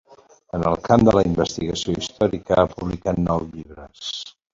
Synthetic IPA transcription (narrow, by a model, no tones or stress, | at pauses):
ənəlˠkamd̪ələimbəst̪iɣəsioist̪ɔɾikəapuβlikat̪nɔwʎiβɾəs